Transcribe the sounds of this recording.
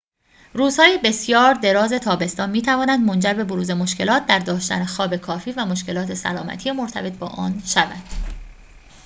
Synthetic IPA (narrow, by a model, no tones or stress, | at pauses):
ruːz̥hɒːjebe̞sjɒːɾd̪e̞ɾɒːze̞t̪ʰɒːbe̞st̪ɒːnmiːt̪ʰævɒːnænd̪mo̞nd͡ʒæɾbeboɾuːze̞mo̞ʃcʰe̞lɒːt̪̚d̪æɾd̪ɒːʃt̪æ̰nexɒːbe̞kʰɒːfiːvæmo̞ʃke̞lɒːt̪ʰe̞sæ̰lɒːmæ̰t̪ʰijemo̞ɾt̪ʰæ̰be̞t̪̚ʰbɒ̰ːʔɒ̰ːnʃævæ̰nd̪̥